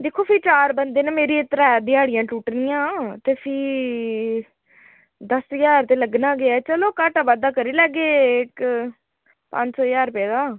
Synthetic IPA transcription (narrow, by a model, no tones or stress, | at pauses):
d̪eːkʰːoːpʰiːt͡ʃaːɾbənd̪eːneːmeːɾiːɪt̪ɾaɛːd̪iaːɽɪjãːʈuːʈnɪjãːt̪eːpʰiː | d̪əsjaːɾt̪eːləɡnãːɡɪaːt͡ʃəloːkaːʈaːʋad̪aːkəɾiːlɛːɡeːɪk | pə̰̃ɲd͡ʒsɔːjaːɾpɛːɡaː